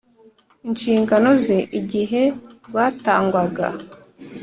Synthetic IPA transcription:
inʃiːŋɡano̞ze̞ʔiɟiɦe̞waːtaːŋɡwaɡa̰

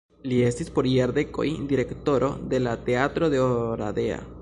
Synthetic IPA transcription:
lie̞stispo̞ɾieɾd̪e̞ko̞̰jd̪iɾe̞kto̞ɾʔo̞̰d̪e̞lat̪e̞at̪ɾo̞d̪eoɾa̰d̪e̞a̰

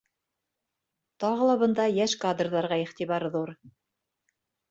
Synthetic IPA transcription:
t̪ɑʁɤ̆lˠɑβɤ̆nd̪ɑjæʃkad̪rðɑɾʁɑiχt̪iβɑɾðuɾ

